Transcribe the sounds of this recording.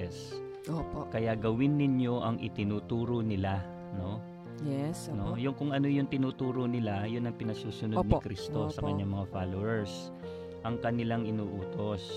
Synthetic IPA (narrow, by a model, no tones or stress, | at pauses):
ɛs | opokɐjaɡɐwɪnːɪɲo̞ʔɐŋʔɪ̰t̪ɪnuːt̪uːɾonɪla | no̞ | jɛsnojʊŋkʊŋɐnojʊŋt̪ɪnuːt̪uːɾonɪlajʊnɐŋpɪnɐɡsuːsʊnod̪̚nɪkɾist̪osɐkɐɲːaŋmɐŋafalowɛɹs | ʔɐŋkɐnɪlaŋɪnuːʔuːt̪o̞s